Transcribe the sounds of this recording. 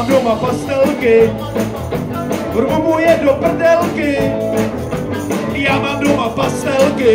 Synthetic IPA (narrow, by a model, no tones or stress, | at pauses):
mdomapast̪ɛlkɪ | ɾumujɛdopr̩dɛlkɪ | jaːmamdomapast̪ɛlkɪ